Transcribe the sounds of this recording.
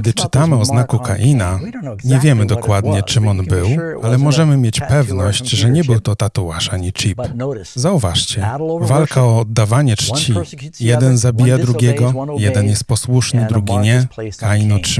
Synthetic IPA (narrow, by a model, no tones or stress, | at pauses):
d̪ɘt͡ʂɘ̥t̪amɘɔznakuka̰ʔina | ɲɛvʲjɛmɘd̪ɔkwad̪ɲɛt͡ʂɘmɔnbɘwalɛmɔʐɛmɘmʲjet͡ɕpɛvnɔɕt͡ɕʐɛɲɛbɘwt̪ɔt̪at̪uaʂaɲit͡ʂipzauvaʂt͡ɕɛvalkʰaɔːd̪ːavaɲɛt͡ʂt͡ɕijɛd̪ɛnzabʲijad̪ɾuɡʲɛɡɔjɛd̪ɛnjɛst̪̚pɔswuʂnɘd̪ɾuɡʲiɲɛkainɔt